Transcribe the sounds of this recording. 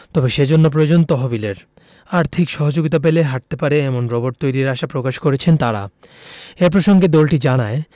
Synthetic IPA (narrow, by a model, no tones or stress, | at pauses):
t̪ɔbeʃed͡ʑonːop̬ɾojod͡ʑont̪ɔɦobileɾ | aɾt̪ʰikʃɔɦod͡ʑoɡit̪ap̬eleɦaʈ̚t̪epaɾeɛmonɾɔboɾʈ̚t̪ojɾiɾaʃapɾokaʃkoɾet͡ɕʰent̪aɾa̰ | eɾp̬ɾoʃoŋɡed̪ɔlʈid͡ʑanae